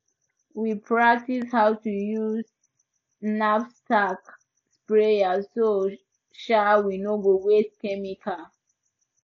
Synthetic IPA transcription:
wipʰɹak̚tishawtujuz | nafstak | spɹeaso | ʃawinoɡoweskɛmikʰa

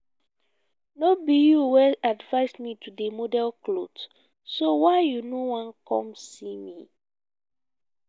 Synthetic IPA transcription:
nobijuwɛadvaɪsmitʰudemodɛlklod | sowaɪjunowãnkɔ̰̃msimi

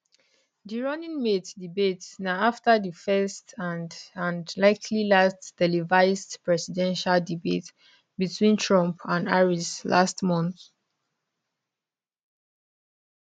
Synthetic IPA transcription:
diɹɔnĩnmeddibetnaaftəðifɛstʰãnãnlaɪkʰlilastd̥ɛlivaɪstpɹɛsidɛ̃nʃaldibḛt | bitʰwĩntʰɹɔ̃mpʰãnaɹisla̰stmɔ̃nθ

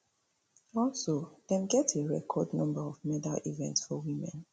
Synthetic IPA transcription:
ɔlˠsoðɛ̃mɡɛteɹɛ̰kʰɔdnɔ̃mbəɹɔvmɛdalʔivɛ̃ntsfɔwimɛ̰̃n

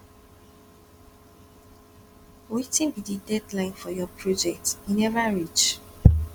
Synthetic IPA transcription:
wetĩnbididɛdlãɪ̃nfɔjɔpʰɹɔd͡ʒɛk̚tĩnɛvaɹit͡ʃ

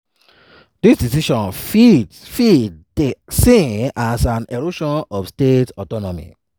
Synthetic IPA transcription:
disdisiʃɔ̃nfi | fid | esĩnasãnɛɹoʃɔ̃nɔfstetɔtɔnɔmḭ

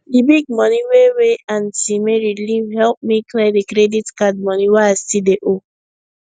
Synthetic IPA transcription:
dibiɡ̚mɔniweweãntimeɹilivhɛlp̚mikledikɾeditkad̚mɔniweastideʔo

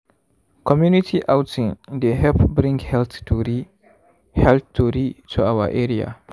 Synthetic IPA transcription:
kʰɔmjunitʰiʔawtĩndeɦɛlpbɾĩŋɡhɛlt̪uɾi | hɛlt̪tʰuɾitʰuawə̰ʔɛɹia̰

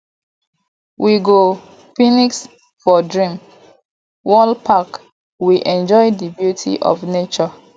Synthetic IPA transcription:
wʔiɡo | finiks | fɔdɹĩm | wɔlpʰak | wiʔɛ̃nd͡ʒɔɪdibjutʰḭʔɔ̰fnet͡ʃɔ

